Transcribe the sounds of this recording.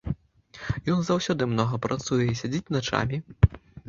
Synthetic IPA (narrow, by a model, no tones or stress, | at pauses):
jɔnzawsʲɔd̪ɨmnɔɣɐpɾat̪sujɛisʲad͡zʲit͡sʲnat͡ʂa̰mʲi